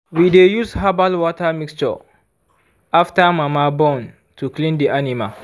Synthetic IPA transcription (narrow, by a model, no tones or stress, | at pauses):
widejushabalwɔtamikst͡ʃɔ̰ | ʔaftamamabɔ̃n | tuklĩndiʔanima